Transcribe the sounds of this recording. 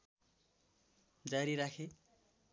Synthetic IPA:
d͡zaɾiɾakʰe

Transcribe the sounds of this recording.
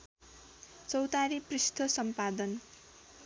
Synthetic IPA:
t͡sʌwt̪aɾiprist̪ʰʌsʌmpad̪ʌn

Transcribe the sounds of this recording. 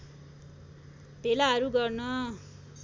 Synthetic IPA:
b̥ʱelaɦʌɾuɡʌrnʌ

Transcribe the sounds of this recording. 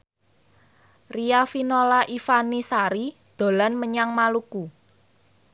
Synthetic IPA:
riafinolaʔifanisaɾid̪̥o̤lanməɲaŋmaluku

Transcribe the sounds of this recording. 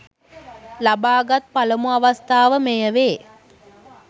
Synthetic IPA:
labaːɡat̪̚paləmuaʋast̪aːʋəmejəʋeː

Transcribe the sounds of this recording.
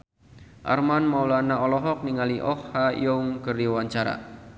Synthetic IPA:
ʔa̰rmanmaulanaɔlɔɦɔk̚niŋaliʔɔhhajɔuŋkəriwaɲt͡ʃaɾa̰

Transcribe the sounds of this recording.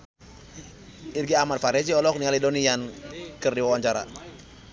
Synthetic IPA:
irɡiamanfaɾɛd͡ʒiɔlɔk̚nialidonijankərdiwawaɲt͡ʃaɾa̰

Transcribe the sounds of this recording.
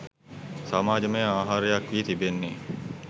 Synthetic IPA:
samaːd͡ʒəmejaːɦaːɾejakʋiːt̪ibenːe

